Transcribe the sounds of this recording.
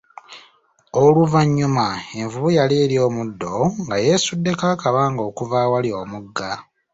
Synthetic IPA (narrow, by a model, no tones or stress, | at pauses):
oluvaɲːumae̞ɱvuβujaleːɾjo̞ːmudːo̞ŋɡaje̞sudːe̞kaːkaβaːŋɡo̞ːkuvaːwaljo̞ːmuɡːa